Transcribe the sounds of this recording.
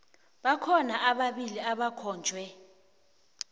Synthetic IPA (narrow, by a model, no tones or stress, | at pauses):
ɓakʰɔnaʔaɓaɓiliaɓakʰɔːnd͡ʒʱwɛ